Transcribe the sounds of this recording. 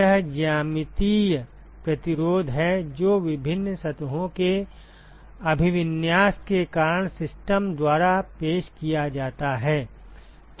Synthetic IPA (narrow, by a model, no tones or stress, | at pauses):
əɦd͡ʒaːmɪt̪i | pɾɐt̪ɪɾoːd̪ʱɦɛd͡ʒoːʋɪbʱɪnːsɐt̪ɦõke | ɐbʱɪʋɪnjaːskekaːɾəɳ̃sɪsʈəmd̪waːɾapeːʃkijad͡ʒaːt̪aɦɛː | t̪